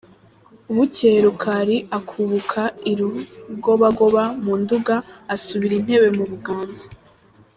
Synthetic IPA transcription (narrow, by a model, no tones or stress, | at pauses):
uβuceɾukʰaɾiakʰuβukʰaiɾuɡo̞βaɡo̞βamuːnduɡaːsuβiɾin̥he̞βe̞muβuɡaːnzḁ